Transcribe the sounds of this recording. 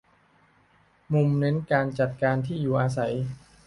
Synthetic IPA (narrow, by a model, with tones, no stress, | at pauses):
mu˧mnɤ˦˥nkaː˧nt͡ɕa˨˩t̪̚kaː˧nt̪ʰiː˥˩juː˨˩ʔaː˧s̬a˩˦j